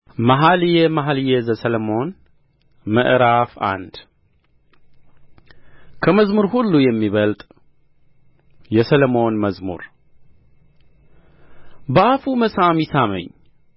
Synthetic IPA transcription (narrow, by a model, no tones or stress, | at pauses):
maɦalɨjɛmaɦaljɛzəsələmo̞n | mə̰ʔɾafa̰nd̪ | kʰəməzmuɾhulːujɛmːiβəlt̪ʼ | jɛsələmo̞nməzmṵɾ | bəʔafuməsamisamə̰ɲː